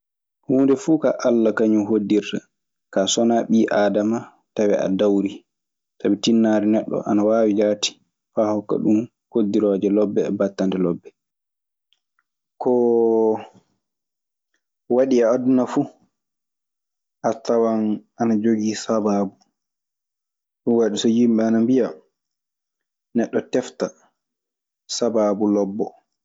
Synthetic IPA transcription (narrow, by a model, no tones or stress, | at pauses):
huːndɛfuka̰ʔalːakaɲuɦodːiɾta | kasɔnaɓiːʔaːdama | tawɛʔa̰dawɾi | tabitinːaɾɛnɛɗːɔ̰ʔanawaːwid͡ʒaːti̥ | faːhɔkːa̰ɗum | hodːiɾɔːd͡ʒɛlɔbːɛbatːandɛlɔbːɛ | kʰɔ | waɗiaːdunafu | ʔatawanʔanad͡ʒoɡiːsababu | ɗunwaɗisɔjimɓɛanambija | nɛɗːɔtɛfta | sabaːbulɔbːɔ̰